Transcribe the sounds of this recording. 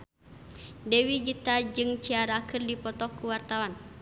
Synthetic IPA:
dɛwiɡit̪ad͡ʒɨŋt͡ʃiaɾakɨrdipɔt̪ɔkːuwart̪awan

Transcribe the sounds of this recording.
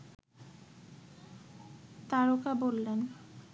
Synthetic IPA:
t̪aɾokabolːen

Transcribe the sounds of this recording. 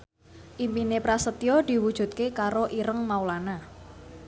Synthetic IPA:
ʔimpinepɾasət̪jɔd̪̥i̤wud̥ʒ̥ṳt̪̚kekaɾoʔiɾəŋmaulana

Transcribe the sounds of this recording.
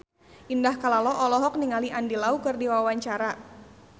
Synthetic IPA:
ʔindahkalalɔʔɔlɔɦɔk̚niŋaliʔandilaukɨrdiwawaɲt͡ʃaɾa

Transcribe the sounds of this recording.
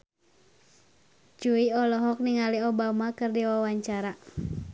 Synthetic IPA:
t͡ʃuiɔlɔɦɔk̚niŋaliɔbamakɨrdiwawaɲt͡ʃaɾa

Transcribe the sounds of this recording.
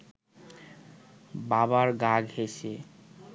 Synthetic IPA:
baβaɾɡaɡhese

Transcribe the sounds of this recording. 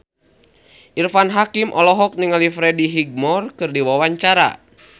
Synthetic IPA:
ʔirfanɦakimʔɔlɔɦɔk̚niŋalifɾɛdiɦiɡ̚mɔrkɨrdiwawaɲt͡ʃaɾa̰

